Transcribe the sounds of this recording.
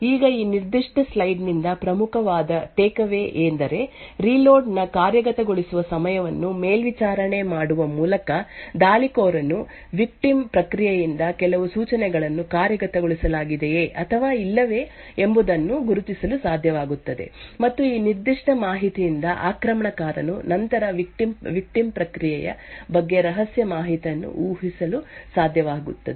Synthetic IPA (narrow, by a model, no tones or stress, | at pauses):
iːɡɐiːniɾd̪iʂʈɐslɐjɖnind̪ɐpɾɐmukʰɐʋaːd̪ɐt̪eːkɐʋe̞ːʔeːnd̪ɐɾe̞ɾiːloːɾɖnɐkaːɾjɐɡɐt̪ɐɡoɭisuʋɐsɐmɐjɐʋɐnːumeːlʋit͡ʃaːɾɐɳe̞maːɽuʋɐmuːlɐkɐd̪aːlikoːɾɐnːu | ʋik̚ʈimpɾɐkɾijejind̪ɐkɛlɐʋusuːt͡ʃɐnɛɡɐɭɐnːukaːɾjɐɡɐt̪ɐɡoɭisɐlaːɡid̪ejeʔɐt̪ʰɐʋaːilːɐʋe̞ː | embud̪ɐnːuɡuɾut̪isɐlusaːd̪ʱjɐʋaːɡut̪ːɐd̪e̞̰mɐt̪ːuiːniɾd̪iʂʈɐmaːɦit̪ijind̪ɐʔa̰ːkɾɐmɐɳɐkaːɾɐ̰nṵnɐnt̪ɐɾɐʋikʈimʋik̚ʈimpɾɐkɾijɛjɐ̰bɐɡːe̞ɾɐɦɐsjɐmaːɦit̪ijɐnːṵʔuːɦisɐlusaːd̪ʱjɐʋaːɡṵt̪ːɐd̪e